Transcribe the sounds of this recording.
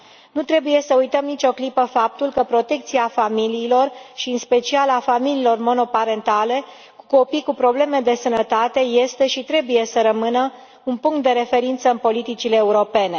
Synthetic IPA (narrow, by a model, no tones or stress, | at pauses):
nut̪ɾe̞buje̞səujt̪əmnit͡ʃo̞klipəfap̚t̪ulkəpɾo̞t̪e̞k̚t̪siafamiliːlo̞rʃiɨnspe̞t͡ʃialafamililo̞rmo̞no̞paɾe̞nt̪ale̞ | ku̥ko̞pikupɾo̞ble̞me̞d̪e̞sənət̪at̪e̞je̞st̪e̞ʃit̪ɾe̞buje̞səɾəmɨnə | unpuŋkt̪d̪e̞ɾe̞fe̞ɾint̪səɨnpo̞lit̪it͡ʃileːuɾo̞pe̞ne̞